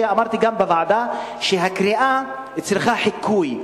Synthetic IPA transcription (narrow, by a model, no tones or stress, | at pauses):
eamaʁt̪iɡambevaʕad̪a | ʃeɦakɾiʔa | it͡sliχaħikʰuj